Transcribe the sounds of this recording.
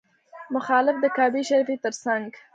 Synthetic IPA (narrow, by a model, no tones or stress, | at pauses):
mʊxɑlɪfd̪əkɑbiʃaɾifit̪əɾsaŋɡ